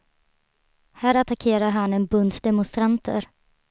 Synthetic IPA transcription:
hæːɾat̪akʰeːɾaɾɦanɛnbɵnd̪d̪ɛmɔnst̪ɾant̪ʰə̰ɾ

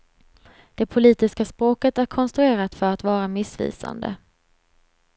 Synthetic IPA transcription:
d̪̥ɛpʰʊliːt̪ɪskaspɾoːkət̪æɾkʰɔnst̪ɾɵeːɾat̪fœɾat̪vɑːɾamɪsvḭːsa̰nd̪ə̰

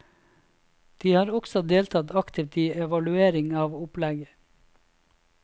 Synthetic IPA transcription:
d̪̥iːhɑːɾɔksɔd̪eːlt̪ʰɑt̪ɑkt̪ʰɪʋt̪iːɛʋɑlʉeːɾɪŋɑːʋʊplɛɡə

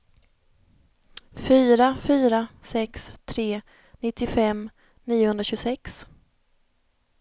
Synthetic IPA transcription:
fyːɾafyːɾasɛkst̪ʰɾeː | nɪt̪ːɪfɛm | niːʊhɵnɾaɕɵɡsɛks

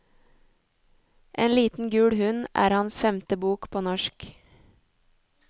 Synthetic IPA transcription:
ʔeːnliːt̪n̩ɡʉːɽhʉnʔæ̰ːɾhɑnsfɛmt̪əbuːkpʰoːnɔʃk

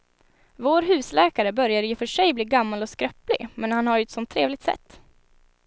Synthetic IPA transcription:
voːɾɦʉ̟ːslɛːkaɾəbœɾjad̪əjɵfœʂɛjbliːɡamːalɔskɾœpːlɪ̰ɡmɛnhanhajɛt̪sɔmt̪ʰːɾeːvlɪɡt̪sɛ̰t̪ː

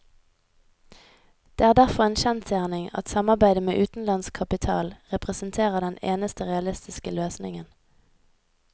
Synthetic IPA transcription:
d̪̥eːæːʁd̪æʁfɔʁeːnʃɛnt̪sjæːʁnɪŋɑ̰t̪sɑmɑʁbæɪd̪əmeːʔʉːt̪n̩lɑnskʰɑpɪt̪ʰɑ̰ːlʁɛpʁɛsənt̪ʰeːʁəd̪ɛneːnəst̪əʁɛɑlɪst̪ɪskəløːsnɪ̰ŋən

